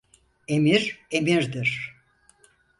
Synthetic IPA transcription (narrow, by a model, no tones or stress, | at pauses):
emiɾemiɾd̪iɾ̥